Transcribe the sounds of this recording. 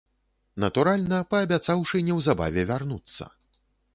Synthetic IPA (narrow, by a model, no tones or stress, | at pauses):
nɐt̪uɾalʲnɐpɐːbʲat̪sawʂɨnʲɛwzaba̰vʲɛvʲarnut̪sːɐ̰